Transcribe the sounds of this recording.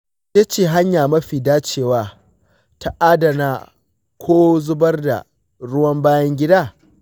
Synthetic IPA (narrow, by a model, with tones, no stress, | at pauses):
eː˦t͡ʃeː˨ɦa˦ɲjaː˨mɐ˦ɸiː˨daː˦t͡ʃeː˦˨waː˦ | ta˨ʔaː˦dɐ˨naː˨ | kʷʰoː˦zʊ˦bɐ˦rda̰˨ | ɽʊ˦wɐ˦mbaː˦jɐ˦ŋɡʲɪ˦daː˦˨